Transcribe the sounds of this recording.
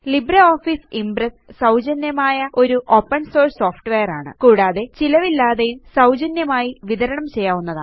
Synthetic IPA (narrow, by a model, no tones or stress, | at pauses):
libɾɐoːfiːsimbrɐssɐwd͡ʑɐnjɐmaːjɐʔo̞ɾuʔo̞ːpːɐɳso̞ːrso̞ːfʈʋejɐɾaːɳɨ̰kuːɽaːðe̞t͡ɕilɐʋilːaːðejumsɐwd͡ʑɐnjɐmaːjiʋiðɐɾɐɳɐmt͡ɕe̞jːaːʋunːɐða̰ː